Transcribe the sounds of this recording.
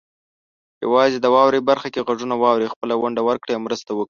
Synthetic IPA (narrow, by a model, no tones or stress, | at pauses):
ja̰wɑzed̪əwɑwɾebaɾxakeɣaʐunawɑwɾexpəlaɣaɳɖawəɾkɽajamɾəst̪awəkɽi